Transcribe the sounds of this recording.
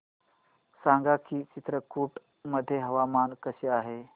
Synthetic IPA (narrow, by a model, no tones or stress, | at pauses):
sãŋɡakit͡ɕit̪ɾəkuːʈ | məd̪ʱːjeɦɐʋamankəseaːɦe